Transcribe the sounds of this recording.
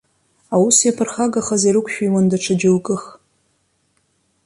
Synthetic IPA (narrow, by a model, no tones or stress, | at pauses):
awusjapʰɨrχaɡaχaziɾɨkʷʰʼʃᶣijwandaʈ͡ʂʰad͡ʒɪlkʼɨχ